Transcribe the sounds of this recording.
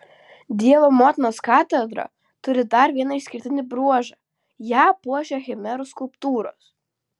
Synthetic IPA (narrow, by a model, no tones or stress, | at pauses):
d̪ʲiɛʋoːmɔːt̪ʲnoːskɑːt̪ʲɛd̪ɾɐ̰ | t̪ʊɾʲɪd̪ɐɾʋʲiɛnɐɪʃsʲkʲɪɾʲt̪ʲɪnʲɪbɾuɔʒɑ | jæːpuɔʒʲɛxʲɛmʲɛɾʊskʊlˠpt̪uːɾo̰ːs